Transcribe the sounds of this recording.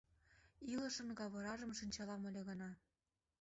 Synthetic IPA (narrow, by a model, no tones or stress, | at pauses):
ilɤ̆ʃɤ̆nɣɑβɤ̆ɾɑʒə̆mʃinʲt͡ɕɑlɑmə̆lʲĕɣɤ̆nɑ